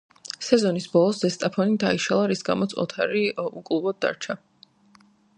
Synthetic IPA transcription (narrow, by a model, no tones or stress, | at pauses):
sɛzɔnisbɔlˠɔszɛst̪ʼapʰɔnid̪aiʃalˠaɾisɡa̰mɔt̪sʼɔ̰t̪ʰaɾiukʼlˠubɔd̪̚ːa̰ɾt͡ʃʰa